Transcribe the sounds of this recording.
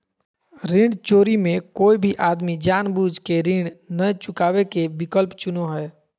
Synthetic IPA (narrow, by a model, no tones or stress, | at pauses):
ɾĩɳɖt͡ʃoːɾimẽkoːibʱiʔaːd̪mid͡ʒaːnbud͡ʒʱkeɾĩɖnət͡ʃʊkaːwekebɪkəlpt͡ʃʊnoɦɛː